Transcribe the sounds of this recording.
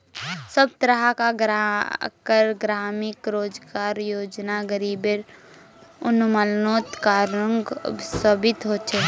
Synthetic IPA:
səb̚t̪ɾəɦakaɡɾakəɾɡɾaːmɪkɾoːd͡ʒɡaːɾjoːd͡ʒnaɡəɾiːbeɾ | ʊnməlnoːt̪kaːɾəŋɡʊ̰bsəbɪt̪ɦoːt͡ʃʰɛː

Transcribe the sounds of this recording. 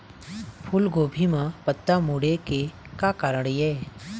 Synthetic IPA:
pʰʊlɡoːbʱimãpət̪ːamuɽekekakaːɾəɽ̃jɛː

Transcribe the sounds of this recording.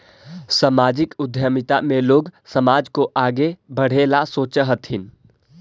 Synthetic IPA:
səmaːd͡ʒɪkʊd̪ʱjəmɪt̪a̰mẽloːɡsəmaːd͡ʒkoʔaːɡebəɽ̤eːlasoːt͡ʃəɦət̪ʰɪn

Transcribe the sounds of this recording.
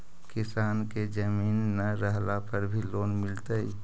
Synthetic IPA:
kɪsaːnked͡ʒəmiːnːəɾəɦlapəɾbʱiloːnmɪlt̪əi

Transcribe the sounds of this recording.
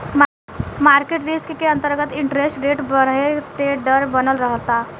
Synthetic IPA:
maːɾkeʈɾiskkeə̃nt̪əɾɡət̪ɪ̃ɳʈɾesʈɾeʈbəɾesʈeɖəɾbənəlɾəɦət̪a

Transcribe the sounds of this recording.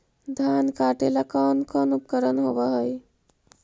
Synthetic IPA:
d̪ʱankaʈelakənkənup̚kəɾənɦobəɦəj

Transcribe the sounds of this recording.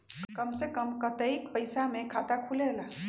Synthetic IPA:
kəmsekəmkət̪əikpəjsamẽkʰat̪akʰulela

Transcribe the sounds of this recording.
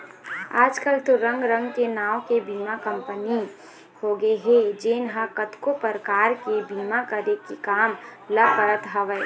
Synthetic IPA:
aːd͡ʒkəlt̪oɾɐ̃ŋɡɾə̃ŋɡkenaːwkebiːmakɐ̃mpəni | hoːɡəeɦed͡ʒeːnɦakət̪kopəɾkaːɾkebiːmakəɾekikaːmlɐpəɾət̪ɦɐʋəe

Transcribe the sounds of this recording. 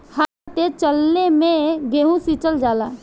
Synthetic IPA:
haɾt̪et͡ʃəlːemẽɡeːɦũsit͡ʃəld͡ʒaːlaː

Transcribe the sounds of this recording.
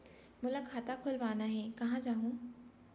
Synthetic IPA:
mʊlakʰaːt̪akʰʊlʋaːnaɦɛːkɐɦãd͡ʒaːɦũː

